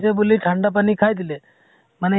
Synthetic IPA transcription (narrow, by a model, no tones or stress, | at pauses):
t͡ɕebulːiːʈʰaɳɖap̬aniːkʰajd̪ile | məne